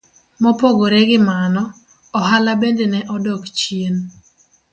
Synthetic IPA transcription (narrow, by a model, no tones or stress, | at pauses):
mɔpoɡoɾɛɡɪmanɔ | ɔɦalabendenɛʔɔdɔkt͡ʃen